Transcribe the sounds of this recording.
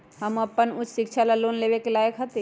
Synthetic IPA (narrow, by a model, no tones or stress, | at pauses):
həmɐpːənʊt͡ʃʰʃɪkt͡ʃʰalaloːnleːʋekelaːjəkɦɐt̪e